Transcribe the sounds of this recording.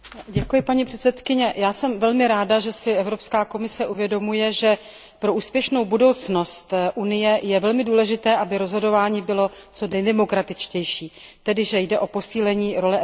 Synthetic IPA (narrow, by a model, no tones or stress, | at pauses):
ɟɛkujɪpaɲipr̥ɛt̪sɛt̪kɪɲɛjaːsɛmvɛlmɪɾaːdaʒɛsɪɛvɾo̞pskaːko̞mɪsɛʔuvjɛdo̞mujɛʒɛ | pɾo̞ʔuːspjɛʃno̞wbudo̞wt͡sno̞st̪ʔunɪjɛjɛvɛlmɪduːlɛʒɪt̪ɛːʔabɪɾo̞zɦo̞do̞vaːɲiːbɪlo̞t͡so̞dɛjdɛmokɾat̪ɪt͡ʃcɛjʃiː | t̪ɛdɪʒɛjdɛʔo̞po̞siːlɛɲiːɾo̞lɛ